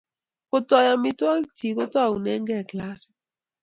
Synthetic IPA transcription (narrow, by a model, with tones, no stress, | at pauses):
ko˦tɔ˦ja˦mɪ˦twa˦kti˨ko˦ta˦˨u˨nɛ˦ŋɡɛ˦˨kla˦sɛ̥˨